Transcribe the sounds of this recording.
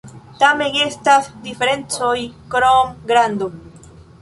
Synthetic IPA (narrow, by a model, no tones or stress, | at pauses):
tameestasdifeɾe̞nt͡sojkɾomɡɾand̪o